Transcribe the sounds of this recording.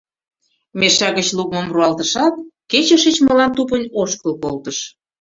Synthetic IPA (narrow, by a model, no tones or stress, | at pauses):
meʃæɣə̆t͡ɕlukmomruɑlt̪əʃɑt̪̚ket͡ɕəʃə̆t͡ɕməlɑnt̪upənʲoʃkəlkolt̪əʃ